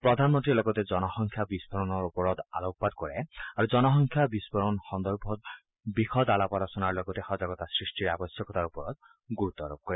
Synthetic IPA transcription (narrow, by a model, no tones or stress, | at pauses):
pɹɔd̪ʱanmɔnt̪ɹilɔɡɔtɛzɔnɔxɔŋkʰjabisbʱɔɹɔnɔɹupɔɹɔt̪a̰lok̚ɔpad̪kɔɹɛ̰aɹuzɔnɔxɔŋkʰjabisbɔɹɔnxɔnd̪ɔɹbʱɔ | bixɔd̪alapɔlɔsɔnaɹlɔɡɔtɛxɔzaɡɔt̪asɹisʈiɹa̰bɔsjɔkɔtaɹupɔɹɔt̪̚ | ɡuut̪ːɔɹo̰b̚kɔɹɛ